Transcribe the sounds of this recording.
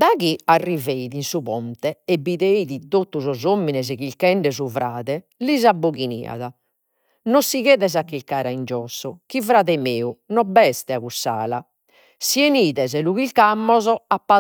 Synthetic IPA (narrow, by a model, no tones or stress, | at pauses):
d̪aɣiarːiveiðinsuβɔnt̪ɛɛbːiðeiðit̪ot̪ːuzɔzomːinɛzɛɣilkɛɳɖɛzuvɾaːðɛlizabːoɣinḭːa̰ða | nosiɣɛːðɛzakːilkaːɾaind͡ʒɔsːɔkivɾaːðɛmeːunɔbɛst̪ɛaɣusa̰ːla | sieniːðɛzɛluɣilkamːɔzɔapːa